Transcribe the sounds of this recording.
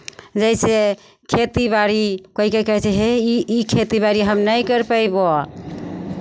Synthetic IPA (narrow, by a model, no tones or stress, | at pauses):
d͡ʒəɪse | kʰet̪ibaɾikoɦikekəɦɛt͡ʃʰɛɦeiikʰet̪ibaɾiɦəmnəjkəɾpəjbo